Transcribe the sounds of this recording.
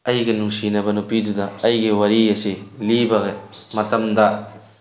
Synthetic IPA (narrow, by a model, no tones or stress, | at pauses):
ɐjɡɐnuŋsinɐbɐnupidudɐɐjɡiwɐɾiɐsilibɐɡɐmɐtɐmdɐ